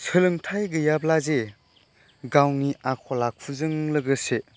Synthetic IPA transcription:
sʰɯlɯŋtʰajɡɯjablaze | ɡawniakʰɔlakʰuzɯŋləɡɯse

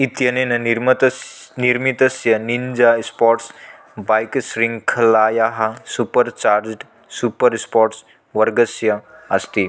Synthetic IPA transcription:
it̪jɐnenɐnɾmt̪niɾmit̪ɐsjɐnind͡ʒaspɔɾʈs | bajksɾiŋɡkʰɐlajaɦasupəɾt͡ʃaɾd͡ʒʈ | supəɾspɔɾʈs | ʋəɾɡəsjɐɐst̪i

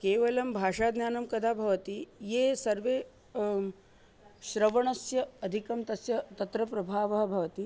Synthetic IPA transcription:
keːʋɐlɐmbʱaːʂaːd̪njaːnɐmkɐd̪ʱaːbʱɐʋɐt̪ijeːsɐɾʋeː | ʃɕɾɐʋɐɳɐsjɐːd̪ʱikɐmt̪ɐsjɐt̪ɐt̪ɾɐpɾɐbʱaːʋɐɦɐ̆bʱɐʋɐt̪i

